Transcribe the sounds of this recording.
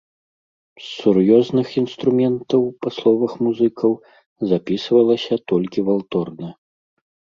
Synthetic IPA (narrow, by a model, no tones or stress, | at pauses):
sːurjɔznɨxinst̪ɾumʲɛnt̪ɐwpɐslˠɔvɐxmuzɨkʰɐw | zapʲisvɐlˠɐsʲɐt̪ɔlʲkʲivalˠt̪ɔrnɐ